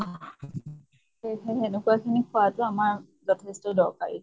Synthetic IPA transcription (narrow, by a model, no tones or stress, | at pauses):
a | ehexenekuakʰinikʰʊwatʊamaɹ | zɔtʰestɔdɔɹkaɹḭ